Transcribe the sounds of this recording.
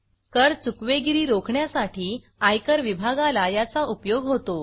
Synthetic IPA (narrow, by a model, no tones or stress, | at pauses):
kəɾt͡sukʋeɡiɾiːɾokʰɳjasaʈʰiː | ajkəɾʋibʱaɡalajat͡saʔupjoɡɦot̪o